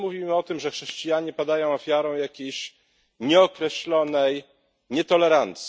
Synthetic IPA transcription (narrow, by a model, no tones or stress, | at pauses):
muvʲimɘɔt̪ɘmʐɛxʂɛɕt͡ɕijaɲɛpad̪ajɔ̃w̃ɔfʲjaɾɔ̃w̃jakʲejɕ | ɲɛɔkɾɛɕlɔnɛj | ɲɛt̪ɔlɛɾant̪sʲ